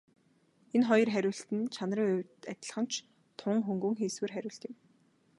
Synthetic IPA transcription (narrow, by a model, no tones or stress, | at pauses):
enχɔjɞ̆rχæɾʲʊːɬt̪ɘ̆nt͡ɕʰanriːŋɵwʲt̪æt̪ʲɪ̆ɮə̆χə̆n̥t͡ɕʰ | t̪ʰʊŋxɵŋɡŭŋxeːsweːrχæɾʲʊːɬt̪ɪ̆m